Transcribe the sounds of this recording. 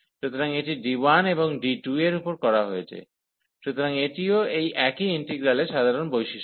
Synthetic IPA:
ʃut̪ʰoɾaŋeʈiɖiwaneboŋɖiʈueɾupoɾkɔɾaɦoet͡ɕʰḛ | ʃut̪ʰoɾaŋeʈioejʔɛkiinʈeɡɾaleʃad̪ʱaɾonbojʃiʃ

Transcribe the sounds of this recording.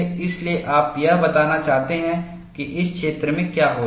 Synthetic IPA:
ɪslieʔaːpjɐɦbɐt̪aːnat͡ʃaːɦt̪eɦɛ̃ | kiʔɪskʃeːt̪ɾəmẽkjaːɦoː

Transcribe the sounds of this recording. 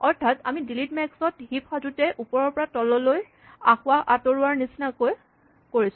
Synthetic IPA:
ɔɹtʰata̰midilitmɛksɔtɦipʰxazutɛʔupɔɹɔɹpɔɹatɔlɔloj | axʊaʔatɔɹʊaɹnisinakoj | koɹisʊ̃

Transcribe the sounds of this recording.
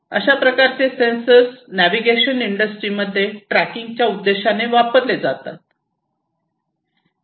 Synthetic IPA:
ə̰ɕapɾəkaɾt͡sesensəsnæʋiɡeɕəniɳɖəsʈɾiməd̪ʱːjeʈɾækiŋɡ̚t͡ɕjaud̪ːeɕaneʋapəɾled͡zat̪a̰t̪̚

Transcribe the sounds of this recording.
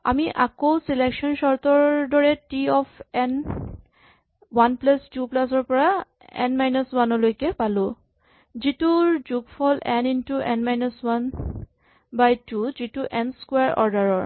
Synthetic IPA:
a̰miʔakowselekʃɔnsɔɹt̪ɔɹdɔɹɛtiɔpʰɛn | wanplastuplas̬ɔɹpɔɹa | ɛ̰nmajnɔswanɔlojkɛpalʊ̃ | zituɹzuɡpʰɔlɛnintuʔɛnmajnɔswan | bajtuzituʔɛnskweaɹʔɔ̰ɹdaɹɔɹ

